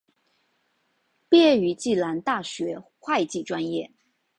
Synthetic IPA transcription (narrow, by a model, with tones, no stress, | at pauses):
pjɛ˥˩y˧˥t͡ɕi˥˩la˧˥nt̪a˥˩ɕɥɛ˧˥xwa˥˧ɪt͡ɕi˥˩ʈ͡ʂwa˥njɛ˥˩